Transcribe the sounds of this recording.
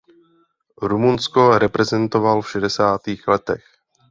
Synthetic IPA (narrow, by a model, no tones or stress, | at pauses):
ɾumunskoɾɛpɾɛzɛnt̪ovalfʃɛdɛsaːt̪iːxlɛt̪ɛx